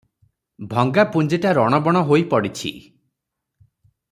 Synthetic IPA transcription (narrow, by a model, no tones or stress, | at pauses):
bʱɔŋɡapund͡ʒeʈaɾɔɽ̃ɔbɔɽ̃ɔɦojpɔɽit͡ʃʰḭ